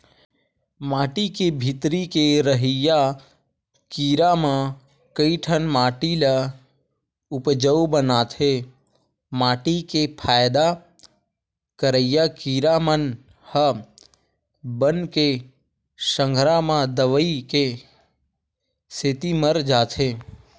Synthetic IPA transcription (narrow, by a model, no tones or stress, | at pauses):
maːʈikebʱɪt̪ɾikeɾəɦija | kiːɾamã | kəiʈʰənmaːʈila | ʊpd͡ʒəwbənaːt̪ʰe | maːʈikepʰaːjd̪a | kəɾəjakiːɾamən | hə | bənke | sə̃ŋɡʱɾamãd̪əʋəike | set̪iməɾd͡ʒaːt̪ʰeː